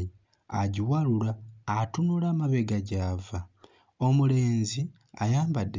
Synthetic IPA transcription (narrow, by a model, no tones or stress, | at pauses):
i | a̰ɟiwalulaːtunulaːmaβeɡaɟaːva | omule̞ːnzi | ajaːmbadː